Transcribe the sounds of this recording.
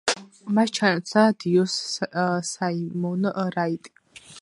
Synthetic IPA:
maʃt͡ʃʰant͡sʰad̪ijɔssaimɔwnəʔərajt̪ʼi̥

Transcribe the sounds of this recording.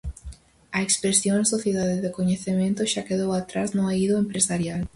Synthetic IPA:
ɐekspɾesjõŋ̃soθjeðaðɪðekoɲeθemẽnt̪ʊʃakeðowat̪ɾaznʊaiðʊẽmpɾesaɾjal

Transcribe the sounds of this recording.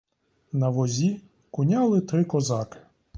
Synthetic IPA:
nɐʋɔzʲi | kʊnʲalˠɪt̪ɾɪkɔzɑkɪ̥

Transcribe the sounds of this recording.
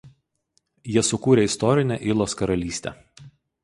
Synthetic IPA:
jiɛsʊkuːɾʲeɪst̪ɔɾʲɪnʲɛˑʔɪlˠoːskɐɾɐlʲiːsʲt̪ʲɛ̰

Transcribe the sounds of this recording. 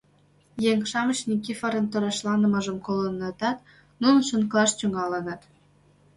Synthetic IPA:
jeŋʃɑmət͡ɕnʲikʲifɑɾɤ̆nt̪ə̆ɾɑʃlɑnə̆mɤ̆ʒə̆mkolənet̪ɑt̪ | nunʃə̆nklˠɑʃt̪yŋɑlənɑt̪

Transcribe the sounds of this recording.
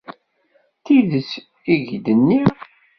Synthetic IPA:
θiðəs | iʝd̪ənːi

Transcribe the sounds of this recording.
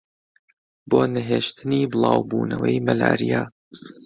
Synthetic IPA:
boːnɨɦeːʃt̪ʰɨniːbɨlˠɑːwbuːnɐwɐjmɐla̰ːɾijaː

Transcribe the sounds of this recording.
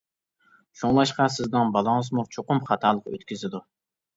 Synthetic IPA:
ʃuŋlˠɑʃqɑsɪznɪŋbɑlˠɑŋəzmut͡ʃʰoqʊmχɑt̪ʰɑːlˠəqø̰t̪kʲyzɪd̪u

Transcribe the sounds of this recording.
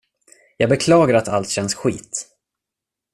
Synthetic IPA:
jɑːɡ̚bɛkʰlɑːɡaɾat̪a̰lt̪ɕɛnsɧiːt̪

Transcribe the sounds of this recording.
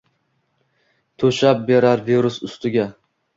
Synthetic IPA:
t̪ʰɵʃap̚beɾaɾviɾʊsʊst̪ɪɡʲa

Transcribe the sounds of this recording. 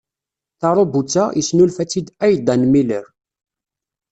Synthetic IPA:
θɑɾˤobut͡sːajəsnulfæt͡sːid̪æjd̪ænmiləɾ

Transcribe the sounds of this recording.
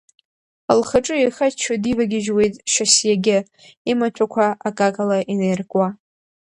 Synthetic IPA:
alχaʈ͡ʂʼɨejχat͡ʃʰadivaɡʲɪʒwejtʼʃasjaɡʲɪ | imat͡ʃʷʰakʷʰaakʼakʼalaʔinerɡʼwa

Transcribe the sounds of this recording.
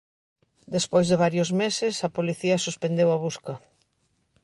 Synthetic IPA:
d̪espojzðɪβ̞aɾjʊzmesɪsɐpoliθiɐsuspend̪ewɐβuskɐ

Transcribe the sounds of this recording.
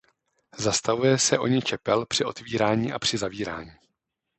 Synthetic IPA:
zast̪avujɛsɛʔo̞ɲɪt͡ʃɛpɛlpr̥ɪʔo̞t̪viːɾaːɲiːʔapr̝̥ɪzaviːɾa̰ːɲiː

